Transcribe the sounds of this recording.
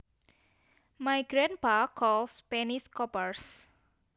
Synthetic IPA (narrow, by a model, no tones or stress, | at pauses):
majɡɾanpakɔlspɛniskɔpərs